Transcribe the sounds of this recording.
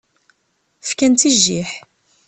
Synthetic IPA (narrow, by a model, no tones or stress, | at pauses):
fkænt̪iʒːiħ